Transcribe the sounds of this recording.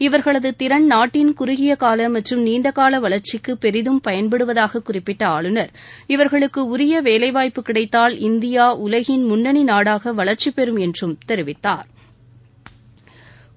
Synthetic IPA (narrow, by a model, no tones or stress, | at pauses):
ɪʋɐɾɣɐɭɐðɯt̪ɪɾɐɳnaːʈːɪnkʊɾʊɣɪjɐkaːlɐmɐʈrɯmniːnd̪ɐkaːlɐʋɐɭɐɾt͡ʃɪkːɯpːɛɾɪðɯmpɐjɐnbɛɽɯʋɐðaːɣɐkːʊrɪpːɪʈːɐaːɭɯnɐɾ | ɪʋɐɾɣɐɭɯkːɯʊɾɪjɐʋeːlɐɪʋaːjpːɯkɪɽɐɪt̪ːaːlɪnd̪ɪjaːʔʊlɐɣɪnmʊnːɐɳinaːɽaːɣɐʋɐɭɐɾt͡ʃipːɛɾɯmɛndrɯmt̪ɛɾɯʋɪt̪ːaːɾ